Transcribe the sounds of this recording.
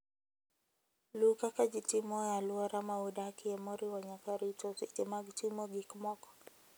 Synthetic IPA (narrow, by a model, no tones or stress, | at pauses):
lukakad͡ʒitimɔjaluaɾamaudakiɛmɔɾiwaɲakaɾitɔsitimaɡtimɔɡikmɔkɔ̥